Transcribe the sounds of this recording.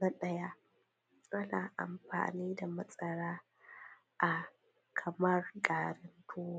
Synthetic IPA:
nɐ˦ɗɐ˦ja˦ | ʔa˦na̰ː˨ʔa̰˨mɸa̰ː˨niː˦da˨mɐ˦sʼɐ˨ɽaː˦ | ʔa˨ | kʰɐ˨mɐ˦rɡaː˨ɾɐ˦ntʰuː˦wa˦

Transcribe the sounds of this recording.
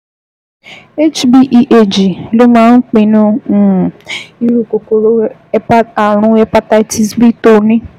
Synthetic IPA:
e˦t͡ʃbi˦ʔi˦ʔe˦˨d͡ʒi˨lo˦mãː˦n̩˦k͡pĩ˧˨nũ˦˨ | i˧ɾu˦˨ko˨ko˨ɾo˦ɛ˦a˦a˨ɾ̃ũ˨˧˦ɛ˦pa˦ta˧i˦ti˧sbi˦to˦˨nĩ˦

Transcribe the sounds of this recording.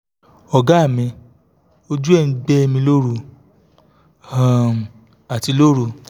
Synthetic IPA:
ɔ˨ɡa˦˨mĩ˧ | o˦d͡ʒu˦ɛ˦˨n̩˨˦ɡ͡bɛ˦˧mĩ˧lo˦ɾu˧ | a˦˨m˨ | a˨ti˨˧lo˦ɾu˦˧

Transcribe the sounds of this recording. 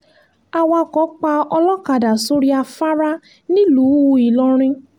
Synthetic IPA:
a˧wa˧kɔ˨˦k͡pa˧ɔ˧lɔ˦ka˨da˨so˦ɾi˦a˧fa˦ɾa˦ | nĩ˦luː˨˦˧i˨lɔ˧ɾ̃ĩ˧

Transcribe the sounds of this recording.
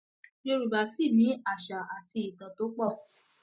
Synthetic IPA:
jo˧ɾu˨ba˨si˦˨mĩ˨˦a˦˨ʃa˨a˨tʰi˧i˨tã˨to˨˦k͡pɔ˦˨

